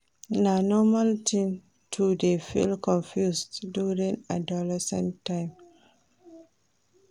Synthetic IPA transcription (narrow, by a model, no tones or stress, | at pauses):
nanɔmaltʰĩn | tʰudefḭlkʰɔ̃nfjusdjuɹĩŋadɔlɛsɛ̰̃ntʰːãɪ̃m